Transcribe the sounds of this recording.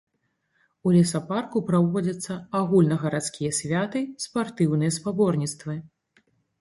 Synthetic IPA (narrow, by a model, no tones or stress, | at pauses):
ulʲisaparkupɾavɔd͡zʲɐt̪sːɐaɣulʲnɐɣɐɾat̪skʲijɐsʲvʲat̪ɨspart̪ɨwnɨjɐspabɔrnʲit̪st̪vɨ